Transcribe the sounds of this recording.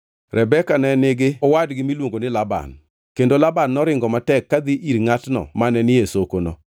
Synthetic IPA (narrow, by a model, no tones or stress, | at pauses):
ɾʔɛbɛkanɛnɪɡɪɔwadɡɪmilwoŋɡonɪlaba̰n | kendolabanːɔɾɪŋɡɔmatɛkːad̪iʔiɾŋatnɔ̰manɛnɪjesokonɔ